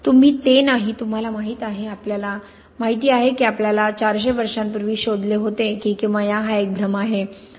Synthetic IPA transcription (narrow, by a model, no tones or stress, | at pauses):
t̪um̤iːt̪enaɦiːt̪um̤alamaɦiːt̪aɦeapljala | maɦit̪iːaɦekiːapljalat͡ɕaɾɕ̬eʋəɾʂãmp̪uɾʋiːɕod̪leɦot̪ekikĩw̃ʋajaɦaek̚bʱɾəmaɦe